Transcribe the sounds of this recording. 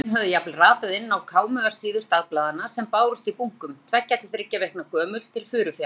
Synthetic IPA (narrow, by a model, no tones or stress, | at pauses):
nɦœvðʏjaplraːt̪aðɪnːawkʰaːwmœḁsiːðʏst̪aðplaːðanasɛmpaːwɾʏst̪ipuŋ̥kʏmt̪ʰvɛcːat̪lɪθɾɪcːavejhknakʰœːmʏɾ̥t̪ʰɪlfʏːɾʏfja